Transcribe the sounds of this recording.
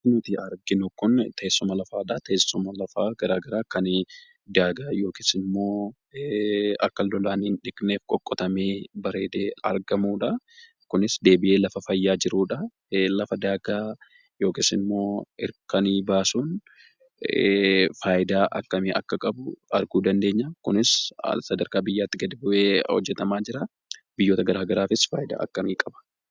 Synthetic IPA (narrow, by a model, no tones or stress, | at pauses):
nʊt̪iɐɾɡɪnʊkʊnt̪ɐesːʊmɐlɐfaːᶑat̪ɐɛsːʊmɐlɐfaːɡɐɾaːɡɐɾaːkɐn | d̪aːɡaːjo̞ːkɪːsɪnmːo̞ː | ɐkːɐlːɔlaːnɪnᶑɪkne̞ːfkʼɔkʼːɔt̪ɐmeːbɐɾe̞ːd̪eːɐɾɡɐmuːᶑɐ | kʊnɪsd̪e̞ːbɪʔeːlɐfɐfɐjːaːd͡ʒɪɾuːᶑɐ | lɐfɐd̪aːɡaː | jo̞ːkɪːsɪnmːo̞ːɪɾkɐniːbaːsuːn | faːjɪd̪aːʔɐkːɐmiːʔɐkːɐkʼɐbʊɐɾɡuːd̪ɐnd̪e̞ːɲːɐkʊnɪssɐd̪ɐɾkaːbɪjːaːt̪ːɪɡɐd̪ɪbʊʔeːhɔ̰d͡ʒːɛt̪ɐmaːd͡ʒɪɾa | bɪjːo̞ːt̪ɐɡɐɾaːɡɐɾaːfɪsfa̰ːjɪd̪a̰ːʔɐkːɐmiːkʼɐbɐ̥